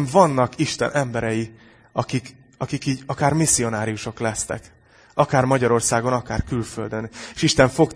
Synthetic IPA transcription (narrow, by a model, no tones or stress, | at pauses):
ɱvɒnːɒkiʃt̪ɛ̰nʔɛmbɛɾɛji | ɒkik | ɒkikiːɟɒkaːrmisːio̞naːɾijuʃo̞klɛst̪ɛ̰k | ɒkaːrmɒɟɒɾo̞rsaːɡo̞nɒkaːrkylføld̪ø̞neʃiʃt̪ɛɱfo̞k